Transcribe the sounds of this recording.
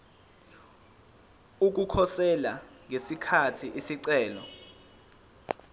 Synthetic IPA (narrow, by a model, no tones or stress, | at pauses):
uk̬ukʰɔsɛlaŋesikʰatʰiʔisiǀɛːlɔ̰